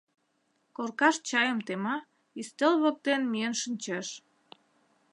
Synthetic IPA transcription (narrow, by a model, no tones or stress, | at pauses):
korkɑʃt͡ɕɑjəmt̪emɑ | ist̪elβək̚t̪enmiənʃənʲt͡ɕeʃ